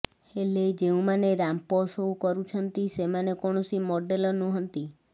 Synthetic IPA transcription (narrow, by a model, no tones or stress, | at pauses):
eled͡ʒeũmaneɾamposoũkɔɾũt͡ʃʰənt̪isemanekɔɽ̃ɔsimɔɖelɔnũɦənt̪i